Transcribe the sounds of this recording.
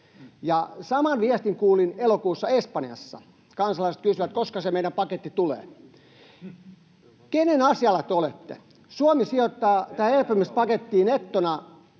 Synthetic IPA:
jɑsɑmɑnʋiæst̪iŋkuːlinelokuːsːɑespɑnjɑ̰sːɑ̰ | kɑnsɑlɑiset̪kysyʋæt̪̚koskɑsemeiɾæmpɑket̪ːit̪ulḛː | kenenɑsiɑlːˑɑt̪eolet̪ːḛ | suomisiot̪ːɑːt̪æːelpymyst̪̚pɑket̪ːiːnet̪ːonɑ

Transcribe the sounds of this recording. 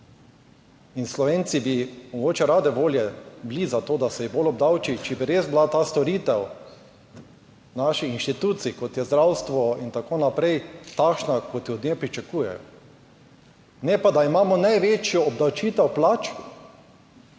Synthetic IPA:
inslɔʋeːnt̪sibimɔɡoːt͡ʃɛɾaːd̪ɛʋoːljɛblizat̪oːd̪asɛjibolɔb̚d̪awt͡ʃit͡ʃɛbiɾezblat̪aːst̪ɔɾiːt̪ɛw | naʃiinʃt̪it̪uːt̪siikɔt̪jɛzd̪ɾawst̪ʋɔint̪akoːnapɾɛjt̪akʃnakɔt̪jɛɔd̪nepɾit͡ʃakuːjɛ̰jɔ | nɛpad̪aimaːmɔnajʋeːt͡ʃjɔːb̚d̪awt͡ʃiːt̪ɛwplaːt͡ʃki

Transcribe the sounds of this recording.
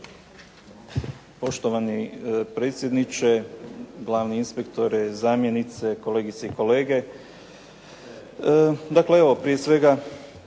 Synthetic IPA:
po̞ʃt̪oʋanipɾe̞ːt̪sʲjed̪nit͡ʃeɡlˠaːʋniinspekt̪o̞ɾɛzaːmje̞nit̪se̞ko̞le̞ɡit̪seiko̞le̞ːɡe̞ | d̪akleeʋo̞pɾije̞sʋe̞ɡa

